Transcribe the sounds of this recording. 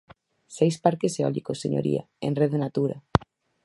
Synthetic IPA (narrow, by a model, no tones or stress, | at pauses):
sejspaɾkeseɔ̰likoseɲo̰ɾʔḭa̰ | ḛnreðenat̪uɾa